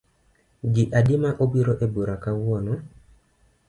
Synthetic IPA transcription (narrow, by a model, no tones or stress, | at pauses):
ɡɪʔadɪmaʔobiɾoʔeboɾakawɔnɔ